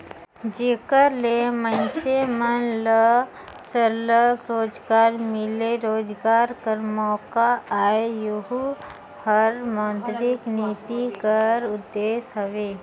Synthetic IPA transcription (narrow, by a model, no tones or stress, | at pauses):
d͡ʒeːkəɾlemə̃nsemənlə | səɾləɡɾoːd͡ʒɡaːɾmɪleɾoːd͡ʒɡaːɾkəɾmɔːkaaːejʊɦu | həɾmɔ̃ːnt̪ɾɪkniːt̪ikəɾʊd̪ːeːsɦɐʋeː